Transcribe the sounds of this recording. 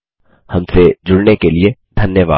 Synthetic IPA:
hɐmsed͡ʒʊɽnekelied̪ʱɐnjəʋa̰ː

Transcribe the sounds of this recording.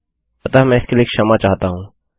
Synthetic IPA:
ɐt̪aːmɛ̃ːɪskelieːkʃɐmat͡ʃaːɦt̪aɦũː

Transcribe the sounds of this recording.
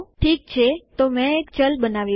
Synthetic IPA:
ʈʰik̚t͡ʃʰet̪omɛ̃ekt͡ʃəlbənaʋji

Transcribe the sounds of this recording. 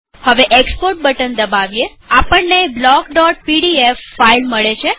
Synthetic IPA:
həʋeʔekspoɾʈ̚bəʈənd̪əbaʋje | apəɳneblɔkɖɔʈ̚piɽiefːailməɭet͡ʃʰe

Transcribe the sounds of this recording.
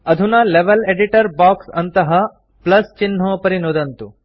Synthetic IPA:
ɐd̪ʱunɐleʋɐleːɖiʈɐɾbaːksɐnt̪ɐɦɐ | plɐst͡ʃin̤ːoːpɐɾinoːd̪ɐnt̪u

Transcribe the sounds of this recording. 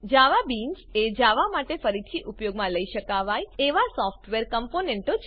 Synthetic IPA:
d͡ʒaʋabind͡ʒed͡ʒaʋamaʈefəɾit̪ʰiʔupjoɡmãləiʃəkaʋajeʋasɔfʈʋeɾkəmponeɳʈot͡ʃʰ

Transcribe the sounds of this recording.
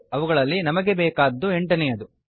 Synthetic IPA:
ɐʋuɡɐɭɐlːinɐmɐɡe̞bɛːkaːd̪ːueɳʈɐnɛjɐd̪u

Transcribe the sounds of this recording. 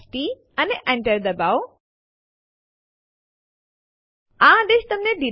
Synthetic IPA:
sʈi | ɐneʔɐ̃ɳʈəɾd̪ɐbaw | ãd̪eʃt̪ɐmneɖi

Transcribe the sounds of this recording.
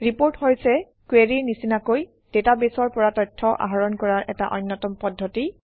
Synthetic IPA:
ɹipoɹthojsɛ | kweɹiɹnisinakoj | d̥etabesɔɹpɔɹatɔjtʰːɔʔa̰ɦaɹɔnkɔɹaɹʔɛ̰ta̰ʔɔ̰jnːɔtɔmpɔdʱːɔti

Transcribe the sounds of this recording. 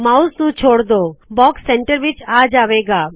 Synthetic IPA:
maust̪ũt͡ʃʰoːɽd̪obɔːksɛ̃ɳʈəɾʋit͡ʃaːd͡ʒaːʋeɡaː

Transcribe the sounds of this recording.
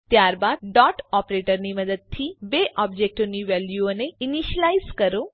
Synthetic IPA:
t̪jaɾbad̪̚ɖɔʈɔpɾeʈəɾniməd̪əd̪̚t̪ʰibeʔɔb̚d͡ʒek̚ʈoniʋɛljuoneiniʃəlaizkəɾo

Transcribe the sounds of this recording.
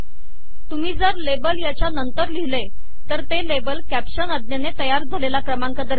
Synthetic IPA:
t̪um̤iːd͡zəɾlebəljat͡ɕjanənt̪əɾliɦle | t̪əɾt̪elebəlkæpɕənəd̪njanet̪əjaɾd͡zʱalelakɾəmaŋkad̪əɾ

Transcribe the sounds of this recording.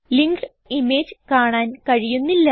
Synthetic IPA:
liŋɡɨ | imeːd͡ʑɨkaːɳaːnkɐɻijunːilːɐ

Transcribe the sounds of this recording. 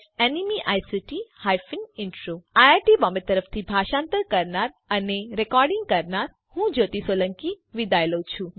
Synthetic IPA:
enimiʔajsɪʈihajfinɪɳʈɾoajaɾʈibɔmbet̪ːəɾəft̪ʰibʱaʃãːnt̪əɾkəɾnaɾ | əneɾekɔɾɖɪ̃ŋɡ̚kəɾnaɾ | hũd͡ʒot̪isolə̃ŋki | ʋid̪ajlout͡ʃʰũ

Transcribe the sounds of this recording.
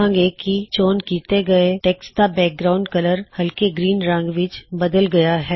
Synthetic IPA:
ə̃ŋɡekit͡ʃoːnkiːt̪eɡɐeʈeːkst̪abɛːk̚ɡɾaːʊ̃ɳɖkɐləɾhɐlkeɡɾiːnɾə̃ŋɡʋɪt͡ʃbɐd̪əlɡɐjaɦɛː

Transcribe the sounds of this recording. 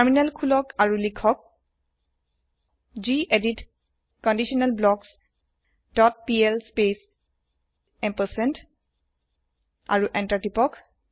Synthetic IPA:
aɹminɛlkʰulɔkaɹulikʰɔk̚ | d͡ʒiʔedit | kɔndisiɔnalblɔks | d̥ɔt̚piɛlspes | ɛmpəsɛnt | a̰ɹuʔɛntatipɔk

